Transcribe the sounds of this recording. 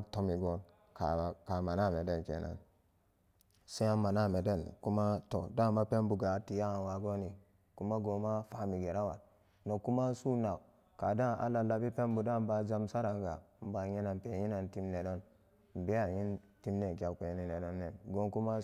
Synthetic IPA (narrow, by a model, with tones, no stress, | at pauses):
to˦mi˨ɡo˦n | ka˨ka˨ma˨na˦˨me˨de˦˨nkḛ˨na̰˨n | se˦a˦ma˨na˦˨me˨de˦˨nku˦ma˦to˨da˦˨ma˦pe˦m˦bu˨ɡa˨˦ti˨ja˦˨wa˨ɡo˦ni˨ | ku˦ma˦ɡo˨ma˦fa˦mi˨ɡe˨ɾa˦wa̰˨t | no˨ku˦ma˦su˦na˨ | ka̰˨da˦na̰˨la˨la˨bi˦pe˦mbu˨da˦˨m˦ba˨d͡ʒa˦msa˦ɾa˨ŋɡa̰˨m̩˦ba˨ɲi˦na˨npe˨ji˦na˨nti˦mne˨do˦n | m̩˨be˦a˨ji˦nti˦mne˨k̬i˨˦a˨ke˨˦ni˨ne˨do˦nːe˨nɡo˦nku˦ma˦